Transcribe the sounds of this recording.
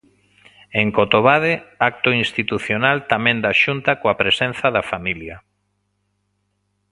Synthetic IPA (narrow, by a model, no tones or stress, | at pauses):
eŋkot̪oβaðeak̚t̪ʊinst̪it̪uθjonalt̪amẽnd̪aʃunt̪akoapɾesẽn̟θaðafamilja